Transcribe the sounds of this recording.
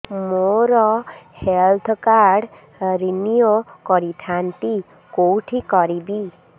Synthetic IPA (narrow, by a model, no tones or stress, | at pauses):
moɾɔhelt̪ʰɔkaɾɖ | ɾinijokɔɾit̪ʰant̪i | kowʈʰikɔɾibi